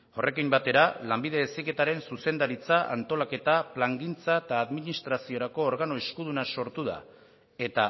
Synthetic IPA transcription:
o̞rʔe̞kimbat̪e̞ɾalambiðe̞esike̞t̪aɾe̞nsuse̞nd̪aɾit͡saʔa̰nt̪o̞lake̞t̪aplaŋɡint͡saet̪aːðminist̪ɾasio̞ɾako̞ːɾɣano̞eskuð̞unaso̞ɾt̪uða̰ | e̞t̪a

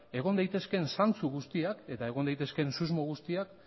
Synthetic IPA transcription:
e̞ɣ̞o̞nd̪ajt̪e̞ske̞nsant͡suɣust̪iake̞t̪aeɣ̞o̞nd̪ajt̪e̞ske̞nsuzmo̞ɣ̞ust̪iak

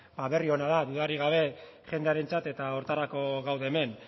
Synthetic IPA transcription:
baβe̞rio̞naðaðuðarɾiɣaβ̞e̞ | χe̞nd̪e̞aɾe̞nt͡sat̪e̞t̪ao̞ɾt̪aɾako̞ɣawðeːme̞n

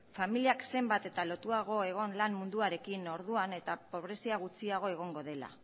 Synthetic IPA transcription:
familiakse̞mbat̪e̞t̪alo̞t̪uaɣ̞o̞e̞ɣ̞o̞nlammund̪uaɾe̞kino̞ɾðuane̞t̪apo̞β̞ɾe̞siaɣ̞ut͡siaɣ̞o̞e̞ɣ̞o̞ŋɡo̞ð̞e̞la̰

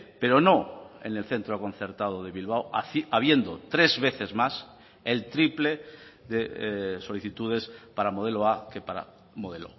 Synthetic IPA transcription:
pe̞ɾo̞noḛne̞lθe̞nt̪ɾokõ̞n̟θe̞ɾt̪að̞oð̞e̞βilβ̞awaβje̞nd̪ot̪ɾe̞zβe̞θe̞zmas | elt̪ɾiple̞ðeso̞liθit̪uð̞e̞spaɾamo̞ð̞eloakepaɾa̰ | moðelo

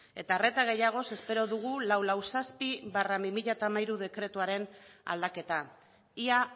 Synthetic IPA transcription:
e̞t̪are̞t̪aɣ̞e̞jaɣ̞o̞se̞spe̞ɾo̞ðuɣ̞ulawlawsaspiβaramimiʎat̪amajɾuð̞e̞kɾe̞t̪uaɾe̞na̰ld̪ake̞t̪a | ia

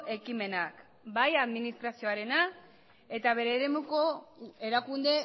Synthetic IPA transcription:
ʔe̞kime̞nak | bajaðminist̪ɾasio̞aɾe̞na | e̞t̪aβ̞e̞ɾe̞ːɾe̞muko̞e̞ɾakund̪e̞

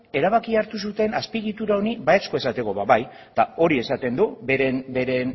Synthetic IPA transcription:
e̞ɾaβ̞akiaɾt̪usut̪e̞naspiɣit̪uɾao̞niβajat͡sko̞e̞sat̪e̞ko̞βaβaj | t̪ao̞ɾie̞sat̪e̞nd̪ubeɾenbe̞ɾe̞n

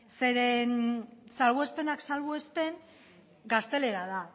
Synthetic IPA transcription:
se̞ɾensalβoespe̞naksalβoespe̞n | ɡast̪e̞le̞ɾaða

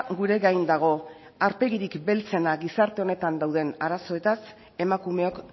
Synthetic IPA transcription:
ɡuɾe̞ɣajnd̪aɣ̞o̞ | aɾpe̞ɣiɾikbe̞lt͡se̞naɣisaɾt̪e̞o̞ne̞t̪and̪awðe̞naɾaso̞e̞t̪as | e̞makume̞o̞k

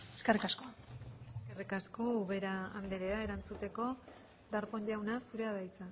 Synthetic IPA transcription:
eskerikaskoaeske̞rikasko̞uβe̞ɾaa̰nd̪eɾe̞ae̞ɾant͡sut̪e̞ko̞ | d̪aɾpo̞ɲʎawnasuɾe̞aðajt͡sa

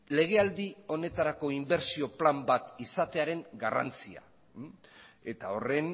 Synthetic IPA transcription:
le̞ɣ̞e̞ald̪io̞ne̞t̪aɾako̞imbe̞ɾsio̞plambat̪isat̪e̞aɾe̞ŋɡara̰nt͡sia̰ | e̞t̪ao̞re̞n

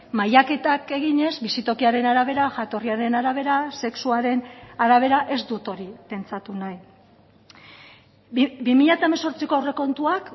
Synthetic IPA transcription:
majake̞t̪ake̞ɣiɲe̞zbisit̪o̞kiaɾe̞naɾaβ̞e̞ɾaʝat̪o̞riaɾe̞naɾaβ̞e̞ɾase̞ksuaɾe̞naɾaβ̞e̞ɾaʔe̞zd̪ut̪o̞ɾipe̞nt͡sat̪unaj | bimiʎat̪aemaso̞ɾt͡siko̞re̞ko̞nt̪uak

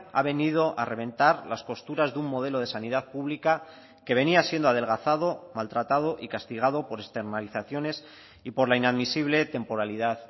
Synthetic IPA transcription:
a̰βe̞nið̞o̞ʔare̞β̞e̞nt̪aɾlasko̞st̪uɾazðumːo̞ð̞e̞lo̞ð̞e̞sanið̞aðpuβlika | ke̞β̞e̞niasje̞nd̪oaðe̞lɣ̞aθað̞o̞malt̪ɾat̪að̞o̞ʔikast̪iɣ̞að̞opo̞ɾe̞kst̪e̞ɾnaliθaθjo̞ne̞s | ipo̞ɾlainaðmisiβ̞le̞t̪e̞mpo̞ɾalið̞að

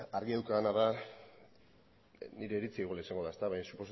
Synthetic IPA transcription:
aɾɣiðawkaːnaða | niɾe̞ːɾit͡siiɣlaisaŋɡo̞ðaest̪aβajsupo̞s

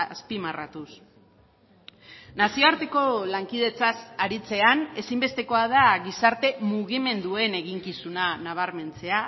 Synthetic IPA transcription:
spimara̰t̪us | nasio̞aɾt̪e̞ko̞laŋkið̞e̞t͡sasaɾit͡se̞ane̞simbe̞st̪e̞ko̞að̞aɣisaɾt̪e̞muɣ̞ime̞nd̪ue̞ne̞ɣiŋkisunanaβ̞aɾme̞nt͡se̞a

